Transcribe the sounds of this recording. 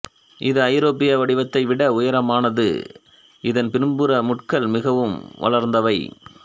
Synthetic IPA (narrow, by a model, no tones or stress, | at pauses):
ʔɪðɯɐɪɾoːpɪjɐʋɐɽɪʋɐt̪ːɐɪʋɪɽɐʊjɐɾɐmaːnɐðɯ̰ | ɪðɐnpɪɾmbɯɾɐmʊʈkɐlmɪɣɐʋɯmʋɐ̰ɭɐɾnd̪ɐʋɐɪ